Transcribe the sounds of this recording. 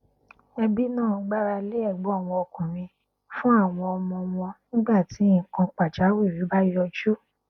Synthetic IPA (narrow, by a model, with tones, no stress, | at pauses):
ɛ˧bi˦nãː˦˨˧ɡ͡ba˦ɾa˧le˦ɛ˦˨ɡ͡bɔ˨˦a˦˨w̃ɔ̃˧o˧kũ˨mĩ˧ | fũ˦a˦˨w̃ɔ̃˧ɔ˧mɔ̃˧mɔ̃˧nĩ˦ɡ͡ba˦˨tĩ˨˦˨kã˧k͡pa˨d͡ʒa˨˦wi˦˨wi˨˦ba˦ji˦ɔ˧d͡ʒo˦